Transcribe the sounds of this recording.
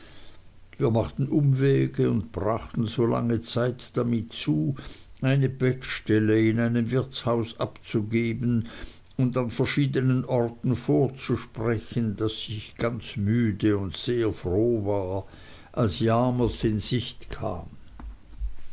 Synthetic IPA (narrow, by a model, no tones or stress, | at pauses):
viːɐmaχtn̩ʔʊmvɛːɡəʊntb̥ʁaχtn̩zoːla̰ŋət͡saɪtd̥amɪtt͡suːaɪnəbɛkʃtɛləɪnaɪnəmvɪɐt͡shaʊsapt͡suɡeːbən | ʊndanfɛɐʃiːdənənʔɔʁtn̩foːɐt͡suʃpʁɛçəndasːɪçɡ̥ant͡smyːdəʊntseːɐfʁoːvaːɐ | ʔalsjaːməsɪnzɪçtkʰa̰ːm